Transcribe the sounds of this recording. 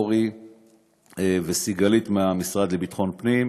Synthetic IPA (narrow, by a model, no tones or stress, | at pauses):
ʁi | evesiɡalit̪meamisʁad̪lebit̪χo̞npnim